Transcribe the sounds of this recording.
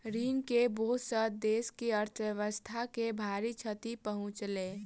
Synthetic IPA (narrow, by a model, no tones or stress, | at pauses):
ɾiːnkebosəd̪eːskiəɾt̪ʰʋjəʋəst̪ʰakebʱaːɾit͡ʃʰət̪ipəɦʊ̃t͡ʃleː